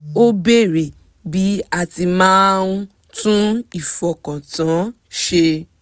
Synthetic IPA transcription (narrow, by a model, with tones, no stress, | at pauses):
o˦be˦˨ɾe˨ | bi˨˦a˦˨ti˧mãː˦˧ũ˧ | tũ˦i˦˨fɔ˨kã˨tã˨˦ | ʃe˧